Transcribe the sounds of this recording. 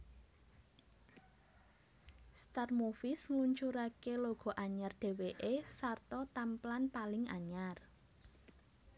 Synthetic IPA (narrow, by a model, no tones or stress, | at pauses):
st̪armofɪsŋluɲt͡ʃuɾakeloɡ̥ɔ̤ʔaɲarɖ̪̥e̤weʔesart̪ɔt̪amplanpalɪŋa̰ɲar